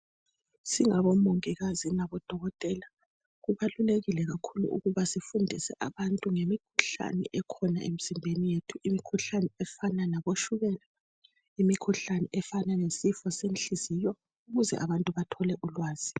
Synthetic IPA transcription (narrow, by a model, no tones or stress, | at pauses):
siŋaβɔmoŋiɣazinaβɔd̥ʱɔɣɔtʼɛla | ɣuβaluleɣilɛɣakʰulṵʔṵɣuβasifundʱisɛʔaβantʼuŋemikʰu̥ɬa̰nɛ̰ʔɛkʰɔna̰ʔḛm̩z̥imbʱenijetʰuʔimikʰuɬanɛɛfananaβoʃuɣɛːla | imikʰuɬanɛʔɛfananesifɔsenɬizijɔ | uɣuzɛ̰ʔaβantʼuβatʰɔlɛʔulwaːz̥i